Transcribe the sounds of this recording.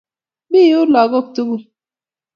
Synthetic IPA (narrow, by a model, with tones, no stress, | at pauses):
bi˦u˦lɔ˨ɣo˦˨k̚tu˦bu˦